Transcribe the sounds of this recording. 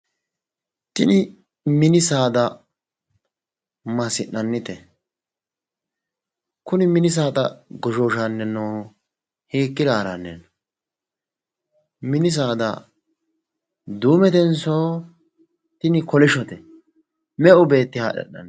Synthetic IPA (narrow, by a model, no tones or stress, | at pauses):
t̪ɪnɪ | mɪnɪsaːd̪ɐ | mɐsɪʔːɐnːɪt̪ɛ | kʊnɪmɪnɪs̬aːt̪ɐ̰ɡɔʃoːʃanːɛnɔː | heːkːɪd̪aːɾɐnːɛ̰n | mɪnɪs̬aːd̪ɐ̰ | d̪uːmɛt̪ɛnsoː | t̪ɪnɪkɔlɪʃɔt̪ɛ | mɛʔʊbe̞ːt̪ːɪha̰ːɗɛ̰ʔːɐ̰nː